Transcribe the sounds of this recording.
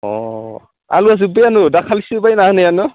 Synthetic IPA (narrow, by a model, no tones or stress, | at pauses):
ɔ̰ | a̰luaz̬ubejanudakʰalisibajnahɯnɯjanu